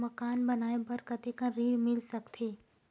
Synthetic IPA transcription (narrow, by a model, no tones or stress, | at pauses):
mɐkaːnbɐnaːẽbɐɾkət̪ekãɾiːɽmɪlsɐkt̪ʰiː